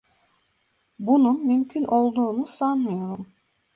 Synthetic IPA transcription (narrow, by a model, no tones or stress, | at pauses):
bununmymcʲʰynʔo̞lˠd̪uːnusanːɯjo̞ɾum